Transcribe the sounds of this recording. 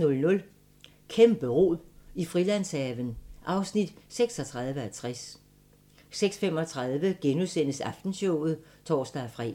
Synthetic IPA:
nɔ̽lnɔ̽l | kʰemb̥əʁo̝̰ðˠifʁilæn̰shɛːʋənʔɑ̈ʊsnid̥seɡ̥sɒ̽t͡sʰʁɑ̈ð̞ˠʋəæt͡sʰʁas | seɡ̥sfemɒ̽t͡sʰʁɑ̈ð̞ˠʋəɡ̥enusen̰əsɑ̈fd̥n̩ɕɔʊð̞̩ˠt͡sʰɒ̰ːsd̥æfʁɛ̰

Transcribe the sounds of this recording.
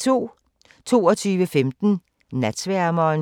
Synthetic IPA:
t͡sʰo̝̰ː | t͡sʰo̝̰ːɒt͡sʰyːʋəfemd̥n̩ | næd̥sʋæɐmɐːn

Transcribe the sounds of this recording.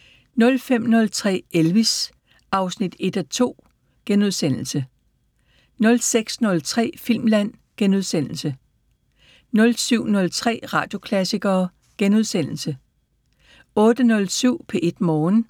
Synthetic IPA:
nɔ̽lfem̰nɔ̽lt͡sʰʁɛ̰ːelʋis | ɑ̈ʊsnid̥e̝d̥æt͡sʰo̝̰ː | ɡ̥enuðˠsen̰l̩sə | nɔ̽lseɡ̥snɔ̽lt͡sʰʁɛ̰ːfil̰mlæn̰ɡ̥enuð̞ˠsen̰l̩sə | nɔ̽lsyʊ̰nɔ̽lt͡sʰʁɛ̰ːʁɑ̈ːd̥jo̝kʰlæsiɡ̥ɐː | ɡ̥enuð̞̰ˠsen̰l̩sə | ɔ̽ːd̥ənɔ̽lsyʊ̰pʰeʔe̝d̥mɒːn

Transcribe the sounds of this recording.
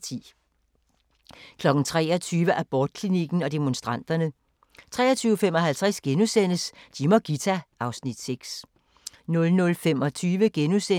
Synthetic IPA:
t͡sʰḭː | kʰlɒ̽ɡ̥n̩t͡sʰʁɛːɐt͡sʰyːʋəʔæb̥ɒːd̥̚kʰliniɡ̥n̩ɒ̽d̥e̝monsd̥ʁɑ̈n̰d̥ɐnə | t͡sʰʁɛ̰ːɐt͡sʰyːʊəfemɒ̽ɦælt͡sʰʁɛsɡ̥enusen̰əsd̥imɒɡ̥it͡sʰæʔɑ̈ʊsnid̥seɡ̥s | nɔ̽lnɔ̽lfemɒ̽t͡sʰyːʋəɡ̥enuse

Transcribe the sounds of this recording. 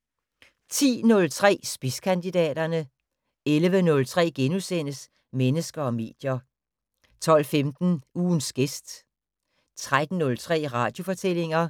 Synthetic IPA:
t͡sʰḭːnɔ̽lt͡sʰʁɛ̰ːsb̥iskʰænd̥id̥ɛ̰ːd̥ɐnə | elʋənɔ̽lt͡sʰʁɛ̰ːɡ̥enusen̰əs | menəsɡ̥ɐɒ̽me̝̰ːd̥jɐ | t͡sʰɒ̽l̰femd̥n̩uːnsɡ̥esd̥ | t͡sʰʁad̥n̩ːɔ̽lt͡sʰʁɛ̰ːʁɑ̈ːd̥jo̝fɒ̽t͡sʰel̰e̝ŋɐ

